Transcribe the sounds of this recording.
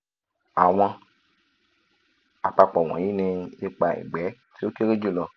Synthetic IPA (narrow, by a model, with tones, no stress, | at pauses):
a˨w̃ã˧ | a˨k͡pa˧k͡pɔ˨w̃ɔ̰̃˨ji˦nẽ˧e˧k͡pa˧ḛ˨ɡ͡bɛ˨˦ | se˦o˦ke˦ɾe˦d͡ʒu˦˨lɔ˧